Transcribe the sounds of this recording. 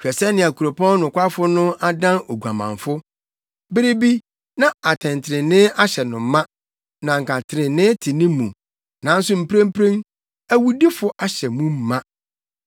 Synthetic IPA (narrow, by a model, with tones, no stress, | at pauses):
t͡ɕᶣɛ˨sɛ˦nɪ̃˨a˨kʰu˨ɾo˨pʰɔ̃˦nʊ̃˨kʷa˦fʊ˦nʊ̃˦a˦dã˦no˨ɡu˨a˨mã̰˨ɱfʊ˦ | bɪ˦ɾi˦bi˦ | nã˨a˨tʰɛ̃˨n˨tʰɪ˨ɾɪ̃˨nɪ̃˦ʔa˦ɕɛ˨nʊ̃˨m˦mã˦ | nã˨ŋ̩˨kʰa˨tʰɪ˨ɾɪ̃˨nɪ̃˦tʰɪ˨nɪ̃˦mũ˨ | nã˨n̩˦sʊ˦m̩˨pʰɾẽ˦m̩˦pʰɾẽ˦ŋ | æ˦wu˦di˦fʊ˨ʔa˨ɕɛ˨mũ˦m̩˨mã˦